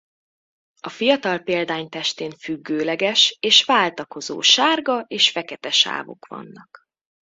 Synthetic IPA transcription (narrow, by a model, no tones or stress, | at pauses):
ɒfijɒt̪ɒlpeːld̪aːɲt̪ɛʃt̪eːnfyɡːøːlɛɡɛʃeːʃvaːlt̪ɒko̞zo̰ːʃaːrɡɒʔeːʃfɛkɛt̪ɛʃa̰ːvo̞̰kʋɒ̰nːɒk